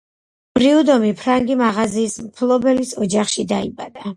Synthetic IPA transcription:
b̥ɾiud̪ɔmipʰɾaŋɡimaʁaziːsmpʰlˠɔbɛlisɔd͡ʒaχʃid̪aibad̪̥a

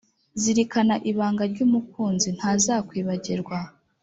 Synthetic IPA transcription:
ziɾikanaʔiβaːŋɡaɾɟuːmuk̚uːnzin̥haːzaːkwiːβaɟiɾɡwa

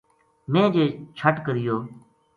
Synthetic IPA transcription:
mẽːd͡ʒeːt͡ʃʰəʈkəɾɪjoː

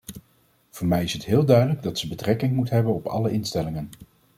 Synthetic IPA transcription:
v̥ʊːɹmɛjɪsɦətɦɪːlˠdœɥdələɡdɑtsəbətrɛkɪŋmutɦɛbənɔpɑ̰ləʔɪnstɛlɪŋən

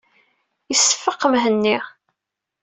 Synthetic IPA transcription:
jəsːə̥fːəqːəmɦənːi

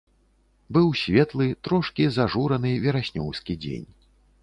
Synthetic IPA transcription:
bɨwsʲvʲɛt̪lˠɨt̪ɾɔʂkʲizaʐuɾɐnɨvʲɛɾasʲnʲɔ̰wskʲid͡zʲḛnʲ

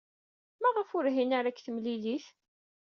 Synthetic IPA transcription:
mæʁəfʊɾɦinaɾækːθəmliliθ

